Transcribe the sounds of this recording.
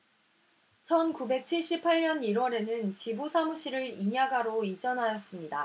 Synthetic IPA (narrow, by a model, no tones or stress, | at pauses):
t͡ɕʰʌnkube̞k̚t͡ɕʰiɭɕ͈ipʰːaɭɲʌniɾwʌɾe̞nɯnt͡ɕibusʰamuɕ͈ʰiɾɯɾiɲaɡaɾoid͡ʑʌnɦajʌs͈ɯmɲida